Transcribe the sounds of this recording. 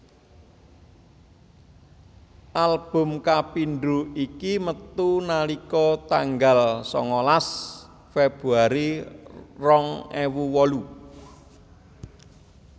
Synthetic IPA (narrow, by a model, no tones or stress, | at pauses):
ʔalb̥ʊ̤mkapiɳɖuikimət̪unalikɔt̪aŋɡalsɔ̰ŋɔlas | feb̥ɾuaɾi | rɔŋewuwɔlu